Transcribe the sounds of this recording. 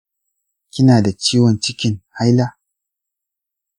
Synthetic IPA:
kʲɪ˦naː˨da˨t͡ʃiː˦wɔ˨nt͡ʃɪ˦kʲɪ˨ŋha˦jla˦

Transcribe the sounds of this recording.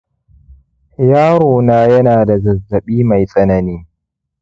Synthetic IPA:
jaː˦ɾoː˨naː˦jɐ˦naː˨da˨zɐ˨zːɐ˨ɓiː˦ma˨jsʼɐ˦nɐ˨niː˦

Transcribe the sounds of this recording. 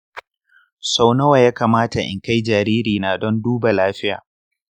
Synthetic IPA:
sa˦˨wnɐ˦wa˨jaː˦kaː˨maː˦ta˨ʔɪ̰˨ŋka˦jd͡ʒaː˨ɾiː˦ɾiː˨naː˨dɔ˦nduː˦ba˨laː˦ɸɪ˦ja̰ː˨

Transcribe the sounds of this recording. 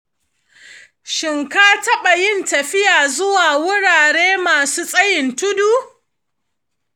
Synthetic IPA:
ʃɪ˨ŋkaː˦tɐ˦ɓa˨jɪ˦ntɐ˨ɸɪ˦jaː˨zʊ˦waː˨wʊ˦ɽaː˨ɽeː˦maː˨suː˦sʼɐ˦jɪ˨ntʊ˦duː˦

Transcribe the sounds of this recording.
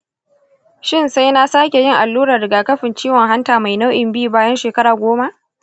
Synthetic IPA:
ʃɪ˦nsa˦jna˦saː˦kʲe˨jɪ˦ŋʔa˨lːuː˦ɾɐ˨rɽɪ˨ɡaː˨kɐ˦ɸɪ˨nt͡ʃiː˦wɔ˨ŋɦa˦ntaː˨ma˨jna˦wʔɪ˨mbi˦˨baː˦jɐ˦nʃeː˨kɐ˦ɽaː˨ɡʷoː˦ma˦ʔ

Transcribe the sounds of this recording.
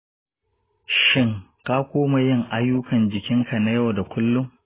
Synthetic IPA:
ʃɪ˦ŋka˦kʷoː˦ma˨jɪ˦ŋʔa˦jːʊ˦kɐ˨nd͡ʒɪ˨kʲɪ˦ŋkʰa˨na˦ja˦˨wda˨kʷʊ˦lːʊ˦m

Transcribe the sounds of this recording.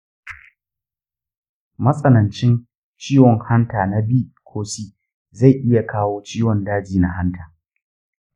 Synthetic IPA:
mɐ˦sʼɐ˦nɐ˨nt͡ʃɪ˦n | t͡ʃiː˦wɔ˨ŋha˦ntaː˨na˦biː˦˨kʷʰoː˦siː˦ | za˦˨jʔɪ˦ja˨kʰaː˦woː˦t͡ʃiː˦wɔ˨ndaː˦d͡ʒiː˨na˦ɦa˦ntʰaː˨

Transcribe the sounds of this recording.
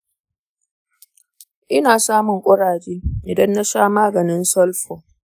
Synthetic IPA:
ʔɪ˦naː˨saː˦mʊ˨ŋkʷʼɐ˦ɽaː˨d͡ʒeː˦ʔɪ˨dɐ˦nːa˦saː˦maː˦ɡɐ˨nɪ˦nsɐ˦lɸoː˨

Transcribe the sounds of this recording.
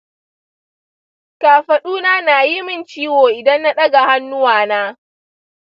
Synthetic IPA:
kaː˨ɸɐ˨ɗuː˦naː˦naː˨ji˦mɪ˦˨nt͡ʃiː˦woː˨ʔɪ˨dɐ˦nːa˦ɗɐ˦ɡa˨ha˦nːʊ˦waː˨naː˦

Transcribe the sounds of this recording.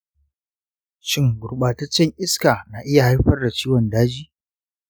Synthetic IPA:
ʃɪ˦ŋɡʊ˨ɽɓaː˨tɐ˦t͡ʃːɛ˦ŋʔɪ˦skaː˨naː˨ʔɪ˦ja˨ha˦jɸɐ˦rda˨t͡ʃiː˦wɔ˨ndaː˦d͡ʒiː˦

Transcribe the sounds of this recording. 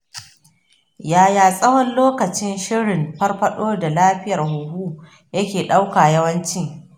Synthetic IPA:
jaː˨jaː˨sʼɐ˦wɔ˦nloː˦kɐ˨t͡ʃɪ˦nʃɪ˦ɽɪ˨mɸɐ˦rɸɐ˦ɗoː˦da˨laː˦ɸɪ˦jɐ˨rɦʊ˨huː˦ | jɐ˦kʲeː˨ɗa˦wkaː˨jɐ˦wɐ˦nt͡ʃɪ˦ŋ

